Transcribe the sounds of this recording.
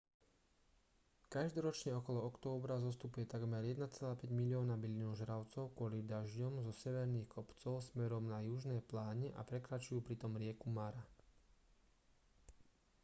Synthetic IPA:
kaʒd̪ɔɾɔt͡ʃɲɛɔkɔlɔɔkt̪ɔːbɾazɔst̪upujɛt̪aɡmɛɾjɛd̪nat͡sɛlaːpɛɟmilɪɔːnabilinuʒɾaʊt͡sɔʊkʊɔlivd̪aʒɟɔmzɔsɛʋɛɾniːxkʰɔpt͡sɔʊsmɛɾɔmnajuʒnɛːplaːɲɛʔa̰pɾɛkɾat͡ʃujuːpɾit̪ɔmɾɪɛkumaɾa

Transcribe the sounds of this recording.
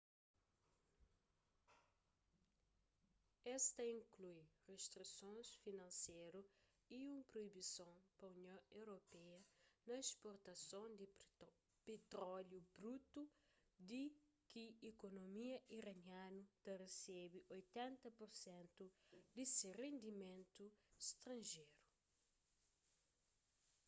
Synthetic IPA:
ɛst̪ɐĩŋklujrest̪ɾisõnsfinɐ̃nseɾu | iũmpɾoibisõpɐunjõewɾopɛɐnɐespoɾt̪ɐsõnd̪i | pet̪ɾɔljubɾut̪u | d̪i | kiekonomiɐiɾɐnjãnut̪ɐresɛbiʔojt̪ɛ̃nt̪ɐpoɾsɛ̃nt̪ud̪isirẽnd̪imẽnt̪ust̪ɾɐ̃nʒejɾu

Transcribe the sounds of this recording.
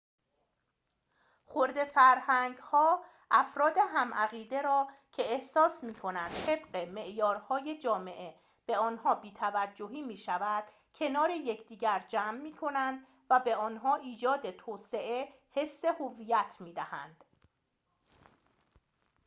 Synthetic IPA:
χoɾd̪e̞fæɾhæŋɡhɒː | ʔæfɾɒːd̪e̞ɦæmʔæɣiːd̪e̞ɾɒːcʰe̞ːhsɒːsmiːkʰo̞nænd̪̥t̪ʰe̞bɢe̞me̞ʔjɒːɾhɒːjed͡ʒɒːme̞ʔe̞ | b̥e̞ɒːnhɒːbiːt̪ʰævæd͡ʒːoɦiːmiːʃævæd̪̥ | cʰe̞nɒːɾe̞jecʰd̪iːɟæɾd͡ʒæːmːiːkʰo̞nænd̪ | væbe̞ɒːnɦɒːʔiːd͡ʒɒːd̪et̪ʰoːse̞ʔe | he̞sːe̞hovijæt̪ʰmiːd̪æhæ̰nd̪̥

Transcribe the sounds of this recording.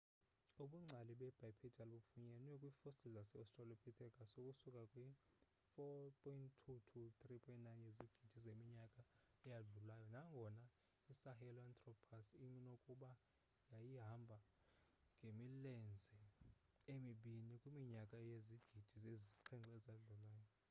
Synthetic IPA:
uɓuŋ͡ǀʱaliɓɛb̥ʱajpʰɛdʱalɓufuɲɛnwɛkʼwifosilzasɛɔstʼralopʰit̪ʰɛkʼasokʼusukʼakʼwi | fɔpʰʼɔinttʰutʰut̪ʼripʰʼɔintnajnjeziɡ̥ʱid̥ʒ̥ʱizemiɲakʼa | ɛjaɮulajɔnaŋɡʱɔna | isahɛlɔant̪ʼrɔpʰasiɲnokʼuɓa | jajiɦambʱa | ŋɡʱemilɛnd͡zʱɛ | emiɓinikʼwimiɲakʼajeziɡ̥ʱid̥ʱizezizǃʰɛŋǁɔɛzaɮulaːjɔ

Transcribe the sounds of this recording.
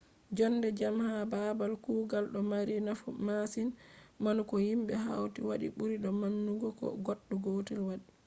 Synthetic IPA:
d͡ʒɔnːdɛd͡ʒamhababalkuɡalɗɔmaɾinafumasinmanukɔhimɓɛɦa̰wtiwaɗḭɓuɾiɗɔmanːuɡɔkɔ̰ɡɔɗːuɡoːtilwaɗi

